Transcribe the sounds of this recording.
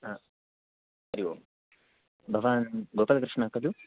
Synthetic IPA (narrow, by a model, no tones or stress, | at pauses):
ɦaː | ɐɾiʋoː | bʱɐʋaːnɡoːpɐlɐkɾɨʂɳaːkɐd̪u